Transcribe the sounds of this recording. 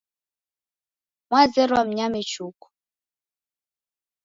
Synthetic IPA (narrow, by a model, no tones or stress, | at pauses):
mwazɛɾwam̩ɲamɛt͡ʃukɔ̥